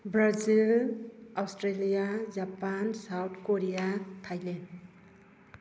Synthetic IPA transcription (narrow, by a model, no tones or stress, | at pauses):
bɾazilawsʈɾelijad͡ʒapansawt̪ʰkoɾijat̪ʰajlen